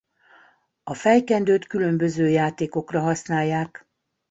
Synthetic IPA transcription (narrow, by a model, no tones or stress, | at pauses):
ɒfɛjkɛnd̪øːt̪kylø̞mbø̞zøːjaːt̪eːko̞krɒɦɒsnaːjːaːk